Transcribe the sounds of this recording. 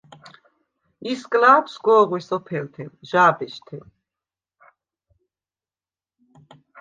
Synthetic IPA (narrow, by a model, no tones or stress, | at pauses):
iskʼlaːpʰsɡɔːʁwisɔpʰɛlt̪ʰɛnʒaːbɛʃt̪ʰɛn